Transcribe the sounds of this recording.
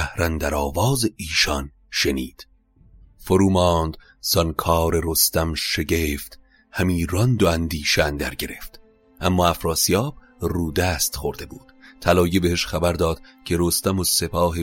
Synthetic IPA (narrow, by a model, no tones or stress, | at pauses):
æhɾænd̪æɾɒːvɒːzeiːʃɒn | ʃe̞niːd̪̥ | foɾuːmɒːnd̪ | z̥ɒnkʰɒːɾeɾost̪æmʃe̞ɟeːft̪ | hæmiːɾɒnd̪oænd̪iːʃænd̪æ̰ɾɟe̞ɾe̞ft̪ | ʔæmːɒːæfɾɒːsijɒːb̥ | ruːd̪æːst̪χoɾd̪e̞buːd̪̥t̪ʰːælɒːjebeheʃχæbæɾd̪ɒːd̪̥cʰe̞ɾost̪æmose̞pʰɒːɦe